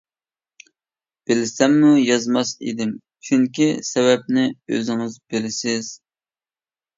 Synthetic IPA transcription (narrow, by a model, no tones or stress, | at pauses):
b̥ɪlɪsɛmːujɑzmɑsḭd̪ɪm | t͡ʃʰyŋkʲisɛwɛp̚nɪø̰zɪŋɨzbɪlɪsɪz̥